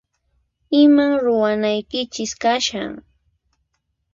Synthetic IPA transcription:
ɪmaŋɾʊwanajkɪt͡ʃɪskaʃa̰ŋ

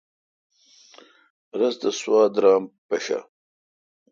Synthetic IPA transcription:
ɾɐzd̪əswɑːd̪ɾɑːmpɐʃa̰

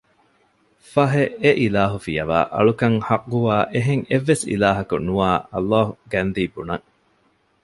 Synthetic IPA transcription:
fɐɦeeʔilaːɦufijɐʋa̰ːʔɐ̰ɭukɐŋhɐqɡuaːʔeɦeŋeʋːesḭlaːɦɐkunuaːɐ̰lːaːhuɡænd̪iːbunɐŋ

